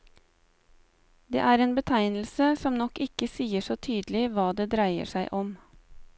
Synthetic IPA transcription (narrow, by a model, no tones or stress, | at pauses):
d̪ḛːʔæːɾeːnbət̪ʰæɪnl̩səsɔmnɔkɪkəsiːəʂoːt̪ʰyːd̪l̩ɪʋɑːd̪eːd̪ɾæɪə̰ʂæɪʔɔm